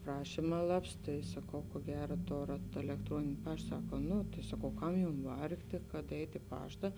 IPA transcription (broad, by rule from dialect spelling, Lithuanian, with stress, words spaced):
ˈprɑːʃʲɪmɐ ˈlˠɐps ˈtɐɪ sɐˈkɐʊ kuɔ ˈɡʲæːrɐ ˈtoːrɐt ɛlʲɛkˈtruɔnʲɪnʲɪ ˈpɐʃt ˈsɑːkɐ ˈnʊ tɐɪ sɐˈkɐʊ ˈkɐm ˈjʊm ˈʋɐrktʲeː kɐt ˈɛɪtʲ ɪ ˈpɑːʃtɐ